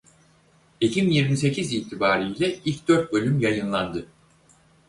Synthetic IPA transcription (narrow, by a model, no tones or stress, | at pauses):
icʰibinjiɾmis̬e̞cʰiziːt̪ʰibaːɾijlʲɛilʲcd̪øɾt̪̚bø̞lʲymjajɯnlˠand̪ɯ